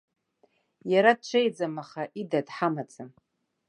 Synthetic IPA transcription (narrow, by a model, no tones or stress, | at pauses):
jaɾad̚t͡ʃʷʰejd͡zamaχaʔidadħamat͡sʰʼam